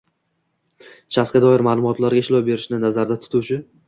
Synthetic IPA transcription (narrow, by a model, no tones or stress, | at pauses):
ʃaskʲad̪ɒɪɾmaːlˠʊmɒt̪ʰlaɾɡʲaɪʃlˠɒwbe̞ɾɪʃnɪnazaɾd̪at̪ʰʊ̥t̪ʰut͡ʃʰɪ